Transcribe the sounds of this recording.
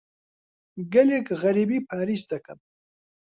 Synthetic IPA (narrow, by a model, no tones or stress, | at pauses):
ɡɐlekɣɐɾibipʰaːɾist̪ɐkɐm